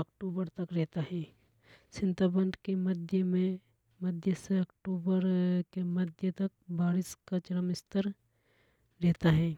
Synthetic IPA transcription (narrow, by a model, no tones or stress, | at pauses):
ɐkʈuːbəɾt̪ɐkɾɛɦt̪aɦɛ̃ː | sɪ̃nt̪abə̃nd̪kemɐd̪ʱjəmẽ | mɐd̪ʱjəseɐkʈuːbəɾkemɐd̪ʱjət̪ɐk̚baːɾɪskat͡ʃɐɽəmɪst̪əɾ | ɾɛːt̪aɦɛ̃ː